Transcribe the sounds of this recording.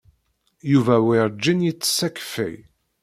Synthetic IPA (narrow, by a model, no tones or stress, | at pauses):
juvæwiɾd͡ʒːinjit͡sːsækfḭj